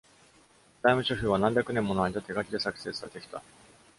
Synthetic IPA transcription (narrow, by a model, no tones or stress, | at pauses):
d̪̥aimɯ̟ɕoçʲiːβanãmbʲakɯ̟nemːo̞noaɲʲit̪at̪ːeɡakʲid̪e̞sakɯ̥se̞ːsɨɡad̪e̞kʲi̥t̪a̰